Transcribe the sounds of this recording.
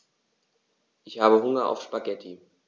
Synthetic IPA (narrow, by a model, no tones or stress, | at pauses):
ʔɪçhaːbəɦʊŋɐa̰ʊfʃpaɡɛtʰi